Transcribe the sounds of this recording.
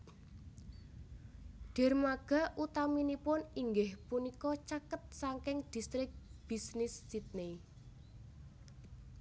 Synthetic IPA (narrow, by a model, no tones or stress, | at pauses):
ɖ̥ɛ̤rmaɡ̥a̤ʔut̪aminipʊniŋɡɪhpunikɔt͡ʃakət̪̚saŋkɪŋd̥i̤st̪ɾɪk̚b̥isnɪssit̪̚ne